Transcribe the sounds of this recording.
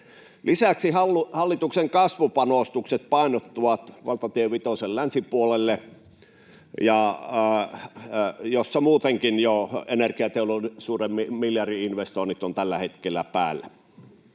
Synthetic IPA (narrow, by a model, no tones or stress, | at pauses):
lʔisæksihɑlːuhɑlːit̪ukseŋkɑsʋupɑnoˑst̪ukset̪̚pɑˑenot̪ːuʋɑt̪ʋɑlt̪ɑt̪iøʋʋit̪osellænsipuolelːe | jɑ | josːɑmuːt̪eŋkinjoenerkiɑt̪eoloisuːremːimiljɑriinʋest̪oˑinit̪ont̪ælːæhet̪kelːˑæpæːlːæ